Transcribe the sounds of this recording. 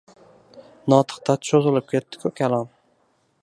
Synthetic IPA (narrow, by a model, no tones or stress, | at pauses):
nɒt̪ʰɨ̥qt̪ʰat͡ʃʰozɪlɪp̚kʲʰet̪ːɪ̥kʲʰɵkʲʰalˠɒn